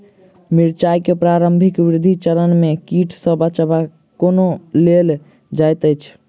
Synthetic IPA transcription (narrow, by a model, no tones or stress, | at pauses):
miɾt͡ʃajkepɾaɾəmbʱikbiɾd̪ʱit͡ʃəɾənmekiʈʰsəbət͡ʃəba | konolel | d͡ʒajt̪əjt͡ʃʰ